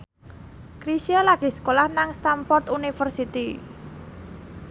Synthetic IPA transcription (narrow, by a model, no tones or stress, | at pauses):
kɾisialaɡ̥eskolahnaŋst̪amfɔrt̪unifərsit̪i